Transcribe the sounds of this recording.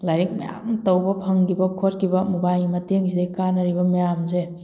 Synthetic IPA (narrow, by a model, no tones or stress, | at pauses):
lajɾik̚mɐja̰mtɐwbɐpʰɐŋɡibɐkʰot̚kʰibɐmubajmɐteŋzidejkanɐɾibɐmɐjamze